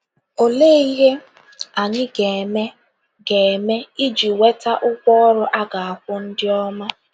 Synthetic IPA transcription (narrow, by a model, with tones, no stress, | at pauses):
o˨leː˦i˦ɦe˦ | a˨ɲɪ˦ɡe˨me˦ | ɡe˨e˨me˦i˦d͡ʒi˨we˦ta˦ʔʊ˦kʷɔ˦ɔ˦ɾʊ˦ʔa˦ɡa˨a˨kʷʊ˦n̩˦dɪ˦ɔ˦ma˦